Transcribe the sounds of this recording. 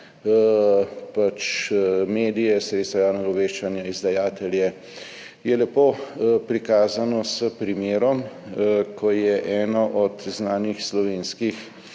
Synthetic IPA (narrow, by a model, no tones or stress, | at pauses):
pat͡ʃmeːd̪ijɛsɾet̪st̪ʋajaːwnɛɡaɔʋeːʃt͡ʃanjaizd̪ajaːt̪ɛljɛ | jɛlɛpoːpɾikaːzanɔsəpɾimeːɾɔm | kʰɔjɛʔɛːnɔʔɔt̪znaːnixslɔʋeːnskix